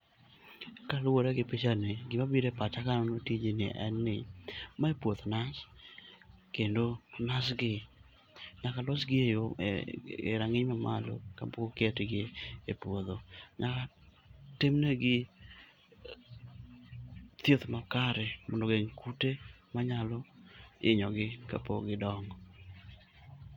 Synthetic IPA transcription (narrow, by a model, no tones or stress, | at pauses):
kalwoɾaɡɪpet͡ʃaneɡɪmabiɾɛpat͡ʃakanɔnotid͡ʒenɪ̰ʔɛ̰nːɪmaepwoðonas | kendonasɡɪ | ɲakalɔsɡɪejo̰ | ḛɾaŋɪɲmama̰lo̰ka̰pokokɪatɪɡeepwoðoɲaka | temneɡɪ | t̪jet̪makaɾɛmɔndoɡeŋkutemaɲalɔɪ̰ɲɔɡɪka̰po̰ɡɪdɔŋɡɔ